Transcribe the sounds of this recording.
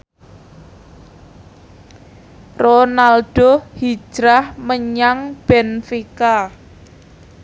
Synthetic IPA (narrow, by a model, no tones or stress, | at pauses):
ronalɖ̥o̤hi̥d͡ʒ̥ɾahməɲaŋb̥ɛnfika